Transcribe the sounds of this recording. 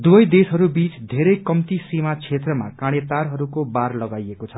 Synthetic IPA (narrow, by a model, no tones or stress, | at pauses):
d̪uʌjd̪esɦʌɾubit͡sd̪ʱeɾʌjkʌmt̪isimat͡sʰet̪rʌma̰kaɽ̃et̪arɦʌɾukobarlʌɡajekot͡sʰʌ